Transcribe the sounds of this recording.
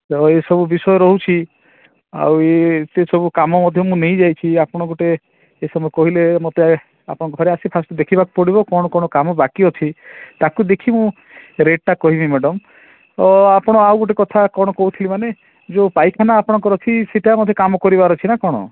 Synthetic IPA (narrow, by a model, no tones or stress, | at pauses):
ɔesɔbubisɔjɔɾɔɦut͡ʃʰi | a̰wet̪esɔbukamɔmɔd̪ʱjɔmũnej̃d͡ʒajt͡ʃʰiapɔɽ̃ɔ̃ɡuʈeː | sɔmɔkɔɦilemɔt̪ea | a̰pɔɽɔ̃kɔɡʱɔɾeasipʰast̪ɔd̪ekʰibak̚pɔɽibɔkɔɽ̃ɔkɔɽ̃ɔkamɔbakiɔt͡ʃʰit̪akud̪ekʰimũ | ɾeɖ̚ʈakɔɦibimɛɖɔm | ɔapɔɽ̃ɔawɡuʈ̬ekɔt̪ʰakɔɽ̃ɔkɔut̪ʰilimane | d͡ʒopajkʰanaːpɔɽ̃ɔŋkɔɾɔt͡ʃʰiseʈiamot̪ʰekamɔkɔɾibaɾɔt͡ʃʰinakɔɽ̃ɔ̰